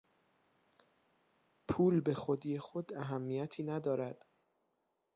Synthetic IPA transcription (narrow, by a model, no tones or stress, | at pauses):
pʰuːlbe̞xod̪iːje̞xod̪æɦæmːijæt̪ʰiːnæd̪ɒːɾæd̪̥